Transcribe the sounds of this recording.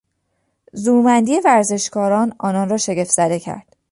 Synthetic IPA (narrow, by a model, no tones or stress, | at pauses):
zuːmænd̪iːevæɾze̞ʃkʰɒːɾɒːnɒːnɒːnrɒːʃe̞ɟe̞fz̥æd̪e̞cʰæ̰ɾd̪̥